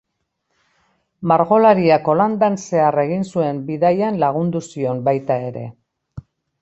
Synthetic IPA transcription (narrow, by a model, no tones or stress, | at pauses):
maɾɣo̞laɾiako̞land̪anse̞are̞ɣ̞insue̞mbiðajanlaɣ̞und̪usio̞mbajt̪ae̞ɾe̞̰